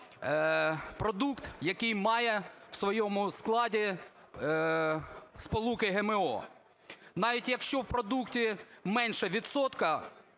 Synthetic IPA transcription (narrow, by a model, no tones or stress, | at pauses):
pɾɔd̪ukt̪jɐkɪjmɑjɛwsʋɔjɔmʊsklˠɑdʲi | spɔlˠukɪɦemeɔ̰ | nɑʋʲitʲjɐkʃt͡ʃɔwpɾɔd̪uktʲimɛnʃɛʋʲid̪sɔt̪kɐ